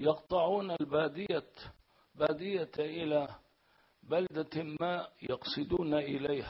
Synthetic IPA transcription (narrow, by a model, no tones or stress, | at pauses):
jɑqt̪ˤɑʕuːnalbaːd̪ɪja | baːd̪ɪjaʔɪla | bald̪amaːʔjɑqsˤɨd̪uːnaʔɪlajha